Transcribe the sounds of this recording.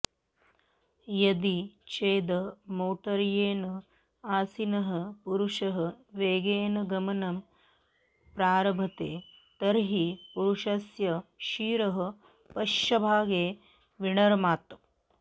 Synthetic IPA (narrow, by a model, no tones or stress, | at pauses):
jɐd̪it͡ʃeːd̪ɐmoːʈɐɾjeːnɐ | aːsinɐɦɐ̆puɾuʃɐɦɐʋeːɡeːnɐɡɐmɐnɐm | pɾaːɾɐbʱɐt̪eː | t̪ɐɾɦipuɾuʂɐsjɐʃiːɾɐɦɐ̆ | pɐʃɐbʱaːɡeː | ʋiɳɐɾɐmaːt̪